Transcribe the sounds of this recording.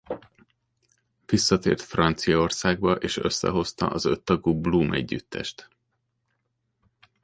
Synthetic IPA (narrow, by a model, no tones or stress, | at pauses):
visːɒt̪ḛːrt̪frɒnt̪sijɒorsaːɡ̚bɒʔeːʃøsːɛ̰ɦo̞st̪ɒ̰ʔɒzøt̪ːɒɡuːbluːmɛ̰ɟːyt̪ːɛ̰ʃt̪